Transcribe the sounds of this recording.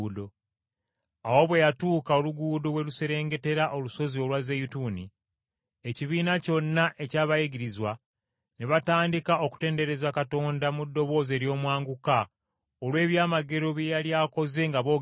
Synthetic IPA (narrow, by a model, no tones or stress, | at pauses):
do̞ | awo̞βwe̞jatuːkao̞luɡuːdo̞we̞luse̞ɾe̞ːŋɡe̞te̞ɾaʔo̞luso̞zio̞lwazejutuni | e̞ciβiːnaco̞nːaʔe̞caːβajiɡiɾizwa | neβataːndikaʔo̞ku̥te̞ːnde̞ɾe̞zakato̞ːndamudːo̞βo̞ːze̞ːɾjo̞ːmwaːŋɡuka | olwe̞ːβjaːmaɡe̞ɾo̞βjejaljaːko̞ze̞ŋɡaβo̞ː